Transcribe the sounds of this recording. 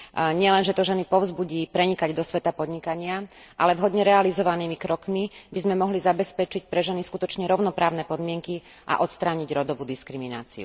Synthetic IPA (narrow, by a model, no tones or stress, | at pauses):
ɲɪɛlɛnʒɛt̪ɔʒɛnipɔʊzbuɟiːpɾɛɲikaɟd̪ɔsʋɛt̪apɔd̪ɲikaɲɪaʔa̰lɛvɦɔd̪ɲɛɾɛalizɔʋaniːmikɾɔkmibizmɛmɔɦlizabɛspɛt͡ʃic̚pɾɛʒɛniskut̪ɔt͡ʃɲɛɾɔʊnɔpɾaːʊnɛpɔd̪mɪɛŋki | ʔa̰ʔɔt̪st̪ɾaːɲiɟɾɔd̪ɔʋuːd̪iskɾimina̰ːt͡sḭṵ